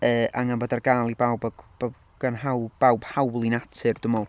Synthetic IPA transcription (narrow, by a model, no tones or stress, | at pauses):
əːʔaŋanboːdarɡaːlˠibawbɡb̥a | ɡ̥anɦawb̥awb̥hawlˠinatʰɨrd̥əmɔlˠ